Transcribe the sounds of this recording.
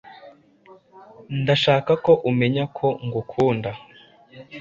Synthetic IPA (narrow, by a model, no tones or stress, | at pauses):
ndaʃaːkako̞ʔume̞ɲakʰo̞ŋɡukʰuːnda